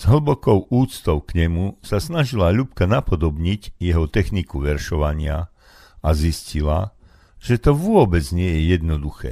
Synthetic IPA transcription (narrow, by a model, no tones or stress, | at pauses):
z̥ɦl̩bɔkɔʊuːt͡st̪ɔʊkɲɛmusasnaʒilaʎup̚kanapɔd̪ɔbɲicjɛɦɔt̪ɛxnikuʋɛɾʃɔʋaɲɪa | aziscila̰ | ʒ̥ɛt̪ɔʋʊɔbɛd͡zɲɪɛjɛjɛd̪nɔd̪uxɛ̰ː